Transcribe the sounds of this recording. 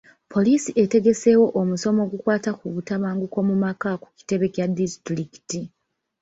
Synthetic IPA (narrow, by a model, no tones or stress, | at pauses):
pʰo̞liːsiʔe̞te̞ɡe̞se̞wo̞ʔomuso̞mo̞ːɡukwaːtakuβutaβaːŋɡuko̞mumakaku̥ki̥te̞βe̞kjadistɾiki̥ti